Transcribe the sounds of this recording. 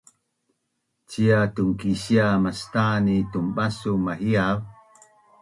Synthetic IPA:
t͡ɕiatuŋkiɕiamastanitumbasumahiav

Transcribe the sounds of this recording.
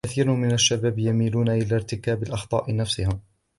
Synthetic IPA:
aθiːɾʊmɪnaʃːabaːbjamiːluːnaʔɪlaɾt̪ɪkaːbɪlʔɑxt̪ˤɑ̰ːʔɪnafsɪhɪm

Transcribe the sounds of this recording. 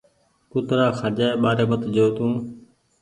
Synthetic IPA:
kʊt̪ɾaːxʰaːd͡ʒaːeːɓaːɾeːmət̪d͡ʒoːt̪ũː

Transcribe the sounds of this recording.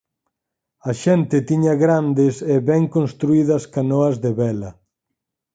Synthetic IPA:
ɐʃɛnt̪ɪt̪iɲɐɣɾand̪ɪseβɛŋkonst̪ɾuiðɐskanoɐzðeβɛlɐ

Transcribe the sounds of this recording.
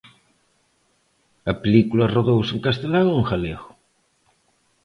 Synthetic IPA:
ɐpelikulɐroðowseŋkast̪elaɣouŋxaleɣʊ̥

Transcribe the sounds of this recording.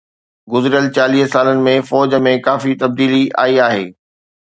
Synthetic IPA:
ɡʊzɪɾjəlt͡ɕaːliːɦsaːlənɪ̆mẽfɔːd͡ʑə̆mẽkaːfit̪ɐb̚d̪iːlia̰ːiaːɦḛː

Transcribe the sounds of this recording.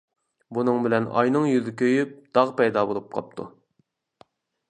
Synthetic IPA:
bunɨŋbɪlɛnɑ̰jnɨŋjyzɪkʲøjyp̚d̪̥ɑʁpɛjd̪ɑːbolˠup̚qʰɑ̰p̚t̪ʰu

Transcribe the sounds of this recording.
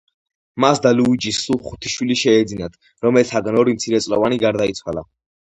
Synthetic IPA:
masd̪aluid͡ʒisːuχu̥t̪ʰi̥ʃwiliʃɛːd̪zinat̪ʰ | ɾɔmɛlt̪ʰaɡnɔɾimt̪sʰiɾɛt̪sʼlɔvaniɡaɾd̪ait̪sʰwala̰

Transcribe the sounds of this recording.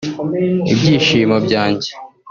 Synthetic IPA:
ḭbɟiːʃiːmobɟaːɲɟe

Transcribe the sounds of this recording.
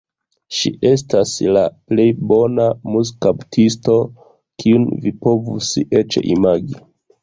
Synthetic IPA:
ʃḭʔe̞s̬taslaple̞jbo̞namuskaptʰisto̞ | kʰiunvipo̞vuset͡ʃḛʔimaɡi

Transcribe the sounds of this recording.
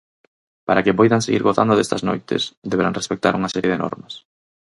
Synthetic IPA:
paɾakepojðaŋseɣiɾɣoθa̰nd̪oðest̪ɐzno̰jt̪ɪ̰sd̪eβeɾa̰ŋrespek̚t̪a̰ɾuŋɐsɛɾjeðenʔɔ̰ɾmɐs

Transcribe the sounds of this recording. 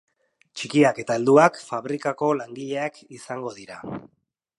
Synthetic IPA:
t͡ʃikiake̞t̪aeld̪uakfaβɾikako̞laŋɡiʎe̞akisaŋɡo̞ðiɾa

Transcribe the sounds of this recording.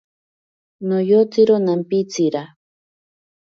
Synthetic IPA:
nojot͡siɾonampit͡siɾa

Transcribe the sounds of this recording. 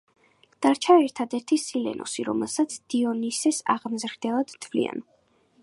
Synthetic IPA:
d̪̥aɾt͡ʃʰaɛɾt̪ʰad̪ɛɾt̪ʰisilɛ̰nʔɔ̰siɾɔ̰mɛlˠsat̪sʰd̪̥iɔnisɛsa̰ʁmzɾd̪ɛlˠad̪̥t̪ʰvlḭa̰n

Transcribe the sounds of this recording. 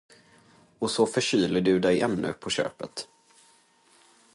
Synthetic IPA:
ɔsɔfœʂyːləɖɵd̪ɛjɛmnɵ̰pʰɔɕø̰ːpət̪

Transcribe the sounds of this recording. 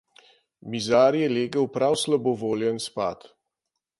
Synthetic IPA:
mizaːɾjɛleːɡəwpɾawslabɔʋoːljənspaːt̪

